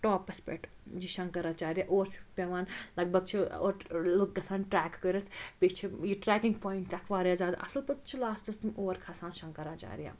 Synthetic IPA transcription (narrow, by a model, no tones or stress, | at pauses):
ʈoːpɐspḛʈ | d͡ʒiʃɐ̃ŋkɐɾaːt͡ʃaːɾijaʔoːɾt͡ʃʰi̥pʲeʋaːnlɐɡ̚bɐɡ̚t͡ʃʰio̰ːɾluk̚ɡɐsaːnʈɾɛːkːəɾɐt̪ʰpit͡ʃʰijiʈɾɛːkĩŋɡpoːjiɳʈt̪ʲɐkʰʋaːɾjaːzʲaːd̪a̰ɐ̰sɐlpɐt̪̚t͡ʃʰilaːst̪ɐst̪imoːɾkʰasaːnʃɐŋkɐɾat͡ʃa̰ːɾija̰ː